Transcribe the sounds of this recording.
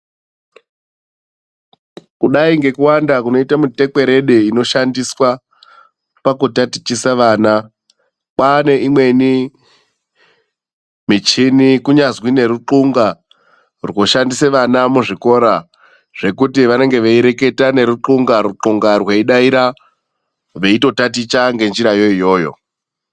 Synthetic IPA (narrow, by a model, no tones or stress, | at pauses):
kuɗaiŋɡe̞kuwandakuno̞itamute̞ke̞ɾe̞ɗeino̞ʃandiswa | pakutati̥t͡ʃisaʋaːna | kane̞ʔimwe̞ni | mit͡ʃinikuɲazwine̞ɾuǃuŋɡa | rwo̞ʃandiseʋanamuʐiko̞ɾa | ʐ̥e̞kutiʋane̞ŋɡe̞ʋeiɾe̞ke̞tane̞ɾuǃuŋɡaɾuǃuŋɡarweiɗaiɾa | ʋe̞ito̞tatit͡ʃaŋɡe̞nd͡ʒiɾajo̞ijo̞ːjo̞̰